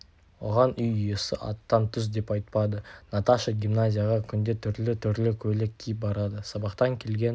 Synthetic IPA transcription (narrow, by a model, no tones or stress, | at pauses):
wo̰ʁɑnʏjʏjesɪ̰ʔɑ̰t̪ːɑnt̪ʰʏz̬d̪e̞pɑjt̪̚pɑd̪ənɑt̪aʃəɡʲimnazʲijaʁɑkʲʰʏnd̪e̞t̪ʰʏɾlɪt̪ʰʏɾlɪkʲʰɵlekʲʰːijɪp̚bɑɾɑd̪əsɑbɑqt̪ɑŋkʲʰe̞lɡʲe̞n